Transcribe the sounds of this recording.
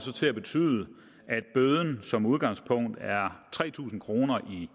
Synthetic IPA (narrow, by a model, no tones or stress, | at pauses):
sɒ̽t͡sʰe̝æb̥e̝t͡sʰy̰ːðˠə | ʔæd̥̚b̥øð̞ˠn̩sɒ̽muð̞ˠɡ̥ɑ̈ŋspʰɔ̽ŋ̰d̥æɐt͡sʰʁɛ̰ːt͡sʰṵːsn̩kʰʁo̝ːnɐʔi